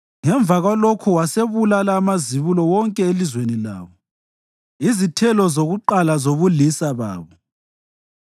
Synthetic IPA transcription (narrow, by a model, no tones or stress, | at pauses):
ŋɛɱb̪vʱaɣwalokʰuwaseβulalaːmaziβulɔwɔŋkʼɛelizwenila̰ːβɔ | izitʰɛlɔzoɣuǃalazoβulisaβa̰ːβɔ